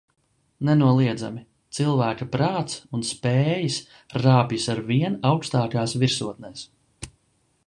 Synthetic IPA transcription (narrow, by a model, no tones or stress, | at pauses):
nɛnuɔlˠiɛd̪za̰mi | t̪silˠvæːkapɾaːt̪sunspɛːjis | ɾaːpjisaɾviɛnawkst̪aːkaːsviɾsuɔt̪̚nɛːs